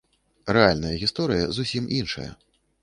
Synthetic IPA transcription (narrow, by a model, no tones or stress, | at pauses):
ɾɛalʲnɐjɐɣʲist̪ɔɾɨjɐ̰zusʲimʔinʂɐ̰jɐ̰